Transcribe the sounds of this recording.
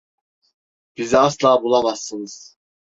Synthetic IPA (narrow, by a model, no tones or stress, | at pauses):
b̥iziaslˠaːbulˠamasːɯnɯz̥